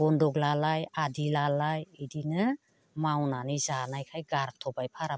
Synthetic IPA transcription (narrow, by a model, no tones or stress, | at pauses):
ɔndɔɡlalajadilalajidinɯ | mawnanizanajkʰajɡaɾ̚tʰɔbajpʰaɾa